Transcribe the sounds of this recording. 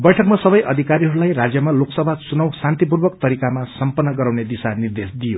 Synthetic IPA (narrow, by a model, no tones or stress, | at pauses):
bʌjʈʰʌkmasʌbʌjʔʌd̪ʱikaɾiɦʌɾulajrad͡zjʌmaloksʌbʱasunʌwsant̪ip̬urbʌkt̪ʌɾikamasʌmpʌnːʌɡʌɾawned̪isanird̪esd̪ijo